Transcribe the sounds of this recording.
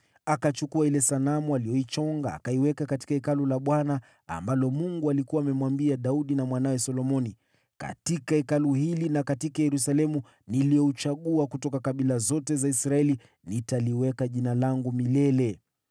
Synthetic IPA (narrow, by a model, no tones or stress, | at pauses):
akat͡ʃukuailɛsanamualijɔit͡ʃɔŋɡa̰ːkaiwɛkakati̥kaɛkalulaɓwana | a̰mbalɔmuŋɡualikuwaːmɛmwambiaɗauɗinamwanawɛsɔlɔmɔni | ka̰tikaɛkaluhilinakatikajɛɾusalɛmu | nilijɔut͡ʃaɠuakutɔkakaɓilazɔtɛzaisɾaɛli | nitaliwɛkaʄinalaŋɡumilɛlɛ